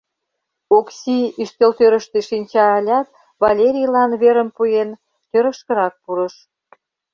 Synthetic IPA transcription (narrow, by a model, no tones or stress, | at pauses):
oksʲiyʃt̪elt̪øɾə̆ʃt̪eʃinʲt͡ɕɑːlʲɑk̪̚ | βɑlʲeɾʲijlɑnβeɾə̆mpujen | t̪øɾə̆kʃkə̆ɾɑk̚puɾə̆ʃ